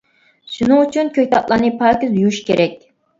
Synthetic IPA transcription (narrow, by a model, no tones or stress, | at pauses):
ʃunɨŋyt͡ʃʰynkʲʰøk̚ʲt̪ʰɑt̪̚lˠɑɾnɨpʰɑːkʲizujuʃkʲeɾɛkʲ